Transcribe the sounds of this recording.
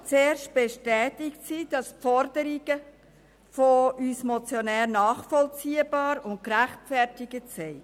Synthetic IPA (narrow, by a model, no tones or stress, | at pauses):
t͡seːrʃt̚b̥eʃtɛːtɪktsid̥ɑspfɔɾdəɾiɡə | foyːsmɔt͡sjonɛːɾnɑːχfɔlt͡siːəbɑːɾʊnt̚kɾæχtfɛɾtɪɡətsɛɪ